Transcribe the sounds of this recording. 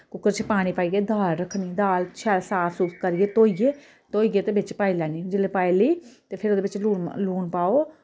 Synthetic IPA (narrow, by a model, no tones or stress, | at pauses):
kʊkːəɾt͡ʃəpaːɽ̃iːpaːiːɡeːd̪aːlɾəkʰːniːd̪aːlt͡ʃʰɛːlsaːpʰsuːskəɾiːeːt̪oːiɡeː | t̪oːiːɡeːt̪eːbɪt͡ʃpaːiːlɛːniːd͡ʒɪleːpaːiləiːt̪eːpʰɪɾoːd̪eːbɪt͡ʃluːnluːnpaːoː